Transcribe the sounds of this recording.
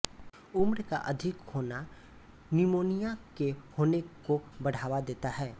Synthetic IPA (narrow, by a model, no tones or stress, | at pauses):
ʊmɾkaʔɐd̪ʱɪkhoːna | nimoːnijakehoːnekobɐɽ̤aːwad̪eːt̪aɦɛː